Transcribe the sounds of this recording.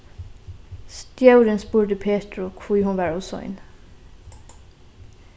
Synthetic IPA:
st̪jɑʉɾənspuːd̪əpʰeːt̪ɹʊkʰʋuːhʊnʋæːɹɔsɔ̰ɪ̰n

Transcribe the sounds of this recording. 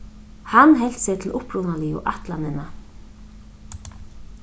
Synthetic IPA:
hanːɦɛl̥t̪set̪ʰɪlʊpɾunaliʊ̰ʔaht̪lanɪna

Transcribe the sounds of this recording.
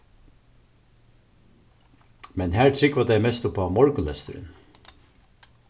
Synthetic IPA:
mɛnhæːɹt̪ʰɾɪkʋad̪æɪmɛst̪ʊpɑːmɔɹk̪lɛ̰st̪ʏɾɪ̰n

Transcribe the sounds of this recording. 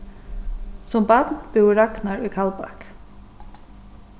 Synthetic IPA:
sɔmbɑd̪nb̥ʉːɾɑknɑɹiːkʰɑlbɑ̰k

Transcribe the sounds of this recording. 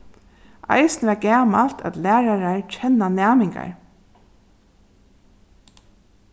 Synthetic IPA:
ʔa̰jsnəʋɛɡæːmal̥t̪a̰t̪læːɾaɹaɹt͡ʃʰɛnːanæːmɪŋka̰ɹ

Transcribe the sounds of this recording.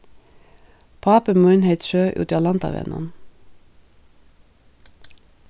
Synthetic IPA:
pʰɑːpəmʉɪnheɪt̪ʃøːʔʉ̰ːt̪ːɑtlɑnt̪ɑ̰ʋɛ̰nɔ̰n

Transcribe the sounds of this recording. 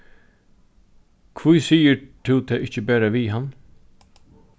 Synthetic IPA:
kʰvujsiːət̪ʰʉːt̪ʰɛːʔɪht͡ʃəbæːɾaʋiːɦan

